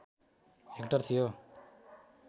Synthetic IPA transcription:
ekʈʌrt̪ʰijo

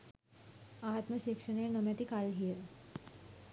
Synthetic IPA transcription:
at̪məɕikʂənenəmjat̪ikalɦije

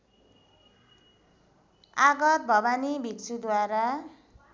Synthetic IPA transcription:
aɡʌt̪̚bʱʌbanibʱikt͡sʰud̪waɾa

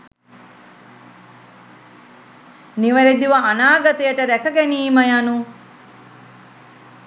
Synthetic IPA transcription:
niʋɐled̪iʋɐːnaːɡɐt̪ejəʈəɾækəɡæniːməjanu

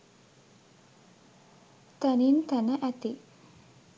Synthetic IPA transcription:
t̪anint̪ənəʔæt̪i

